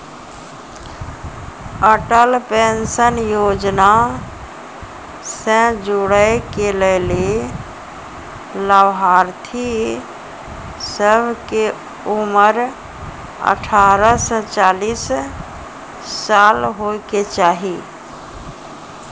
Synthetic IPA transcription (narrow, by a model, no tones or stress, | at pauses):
əʈəlpensənjoːd͡ʒna | sɛ̃d͡ʒuɽəekelele | ləbɦaːɾt̪ʰi | səbʱke | uməɾ | ə̰ʈʰaːɾəsə̃t͡ʃaːlis | alɦoket͡ʃaːɦi